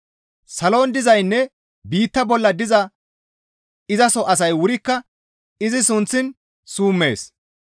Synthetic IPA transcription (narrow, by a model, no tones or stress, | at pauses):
sɐlo̞ːnd̪ɪzɐjnːɛ | biːt̪ːɐbɔlːɐd̪ɪzɐ | ɪzɐsɔʔɐs̬ɐjwʊɾɪkːɐ | ɪzɪsʊnt͡sːɪn | suːmːe̞̰ːs